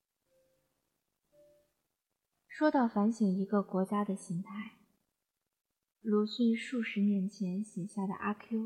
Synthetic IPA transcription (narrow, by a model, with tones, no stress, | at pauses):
ʂwɔ˥t̪ɑ˥˩ʊfa˧˥nɕi˨˩ŋi˧˥ɡə˧kwɔ˧˥t͡ɕja˥d̪ə˨ɕi˧˥ŋt̪ʰa˥˩ɪ | lu˧˥ɕy˥˧nʂu˥˩ʂɻ̩˧˥njɛ˧˥nt͡ɕʰjɛ˧˥nɕjɛ˨˩ɕja˥˩d̪ə̰˩ʔa˥kʰi˥